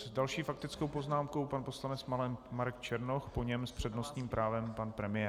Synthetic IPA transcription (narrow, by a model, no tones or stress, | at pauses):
zdalʃiːfak̚t̪ɪt͡skowpo̞znaːmko̞wpanpo̞slanɛt͡smalɛmaɾɛkt͡ʃɛɾnoxpo̞ɲɛmspr̝̥ɛdno̞st̪ɲiːmpɾʔaːvɛmpanpɾɛmɪjɛː